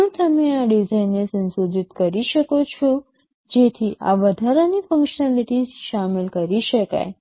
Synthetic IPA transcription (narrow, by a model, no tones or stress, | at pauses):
ũt̪əmẽaɖizajnesənsod͡ʒɪt̪kəɾiʃəkot͡ʃʰo | d͡ʒet̪ʰiʔa̰ʋəd̪ʱaɾanifə̃ŋkʃənaliʈizʃamɪlkəɾiʃəka̰j